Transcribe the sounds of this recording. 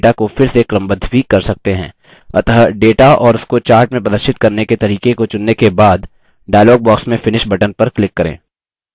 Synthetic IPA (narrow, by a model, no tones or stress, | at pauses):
ʈakofɪɾsekɾə̃mbəd̪ʱbikːɐɾsɐk̚t̪eɦɛ̰̃ː | ɐ̰t̪əɦɖeːʈaʔɔːɾʊskot͡ʃaːɾʈmẽpɐd̪əɾʃɪt̪kɐɾneket̪ɐɾiːkekot͡ʃʊnːekebaːd̪ | ɖaːɪlɔːɡ̚bɔːksmẽfɪnɪʃbɐʈənpɐɾklɪkːɐɾḛ̃ː